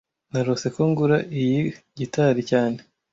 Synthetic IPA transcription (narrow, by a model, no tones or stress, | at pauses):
naɾose̞koŋɡuɾaʔijiɟitaɾicaːne